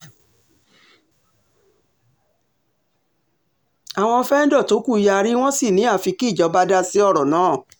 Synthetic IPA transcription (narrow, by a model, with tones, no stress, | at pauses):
a˨w̃ɔ̃˧fɛ˦n̩˦dɔ˦˨to˨˦ku˦˨ja˧ɾi˦w̃ɔ̃˦si˦˨nĩ˨˦a˦˨fi˧ki˦˨d͡ʒɔ˨˧˦ba˧da˦si˦ɔ˦˨ɾɔ˨nãː˨˦˨